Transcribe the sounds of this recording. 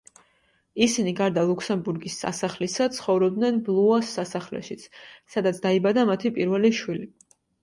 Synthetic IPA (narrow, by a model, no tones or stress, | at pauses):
isiniɡaɾd̪alˠuksɛmbuɾɡisːa̰saχlisat̪sʰχɔvɾɔb̚d̪nɛnblˠuasːasaχlɛ̰ʃit̪sʰsad̪at̪sʰd̪̥aibad̪amat̪ʰipʼiɾvɛliʃwili